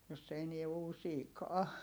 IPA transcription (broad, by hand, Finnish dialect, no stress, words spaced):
jos se enie uːsiːkɑː